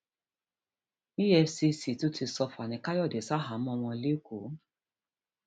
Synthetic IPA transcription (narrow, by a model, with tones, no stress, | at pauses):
i˦ɛ˧fsi˧si˨to˨˦ti˧sɔ˧fa˨nĩ˨ka˦jɔ˦˨dɛ˨˦sa˦ɦa˨˦mɔ̃˧w̃ɔ̃˧le˦ko˨˦